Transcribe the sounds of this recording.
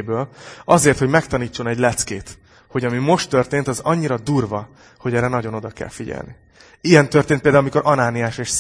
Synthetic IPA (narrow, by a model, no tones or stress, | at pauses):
bøːlɒzeːrt̪ho̞ɟmɛkt̪ɒniːt͡ʃːo̞nɛɟlɛt̪skeːt̪ | ho̞ɟɒmimo̞ʃt̪ːø̞rt̪eːnt̪ɒzɒɲːiɾɒd̪uːrvɒ | ho̞ɟɛːɾɛnɒɟo̞no̞d̪ɒkɛ̰lfiɟɛ̰lnḭ | ijɛnt̪ørt̪eːnt̪pelaulɒmiko̞ɾʔɒnaːnijaːʃeːʃ